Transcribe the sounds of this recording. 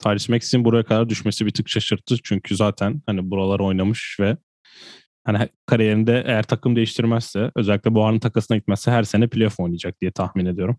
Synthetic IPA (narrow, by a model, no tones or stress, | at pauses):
t̪ʰaːɾiʃmɛci̥sinbuɾajakʰad̪aɾd̪yʃme̞sibit̪ʰɯkʃʰaʃɯɾt̪ʰːɯt͡ʃʰyɲcʰyzaːt̪ʰænhanibuɾalˠaɾo̞jnamɯʃvɛ | hanikʰaɾijeɾind̪ɛʔḛjæɾt̪ʰakʰɯmd̪e̞jiʃt̪ʰiɾmæz̥sɛø̞zɛlʲːic̚ʲlʲɛbuanɯnt̪ʰḁkʰasɯnaɟit̪mɛzsɛɦæɾse̞nɛpʰilʲefo̞jnˠijad͡ʒak̚d̪̥ijɛt̪ʰaxmine̞d̪ijo̞ɾum